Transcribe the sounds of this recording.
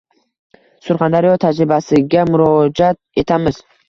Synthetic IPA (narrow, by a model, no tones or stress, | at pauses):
sʊɾχand̪aɾijɒt̪ʰad͡ʒɾɪbasɪɡʲamʊɾɒd͡ʒat̪̚e̞t̪ʰamɪz